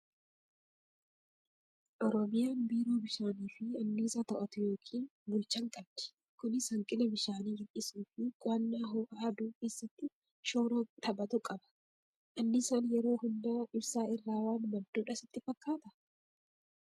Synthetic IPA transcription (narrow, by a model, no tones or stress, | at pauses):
ʔɔɾɔmɪjaːnbiːɾoːbɪʃaːniːfɪɐnːiːsɐt̪ɐʔɐt̪ʊjo̞ːkʰiːnbʊlt͡ʃːɐŋkʼɐbd̪̥ɪ̥ | kʊnɪshɐŋkʼɪnɛbɪʃaːniːɡɪnːɪsuːfɪɡʼʊɐnːaːɦoːʔaːd̪uːkeːsːɐt̪ːɪ | ʃoːɾot̪ɐbɐt̪ʊkʼɐbɐ̥ | ʔɐnːɪsɐnjɛɾo̞ːhʊnd̪ɐɪbsaːɪrːaːwaːnmɐd̪̥ːuːᶑɐsɪt̪ːɪfɐkːaːt̪ɐ